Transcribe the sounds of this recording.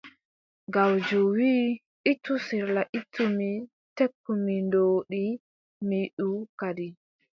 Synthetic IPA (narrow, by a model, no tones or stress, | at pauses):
ɡawd͡ʒuwiː | ʔitːusiɾlaʔitʰːumi | tekːumindoːɗi | miɗukadi